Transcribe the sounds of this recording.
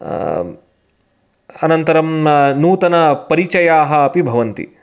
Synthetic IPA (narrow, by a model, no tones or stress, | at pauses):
ɐnɐnt̪ɐɾɐmnuːt̪ɐnɐpɐɾit͡ʃɐjaːɦɐːpibʱɐʋɐnt̪ḭ